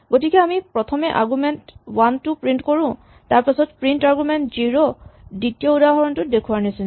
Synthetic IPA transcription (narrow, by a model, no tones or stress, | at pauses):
ɡotikɛamipɹɔtʰɔmɛʔa̰ɹɡumɛntwantupɹintkoɹʊ̃ | taɹpasɔt̚pɹintaɹɡumɛntziɹoditijɔudaɦɔɹɔntʊdekʰuwaɹnisina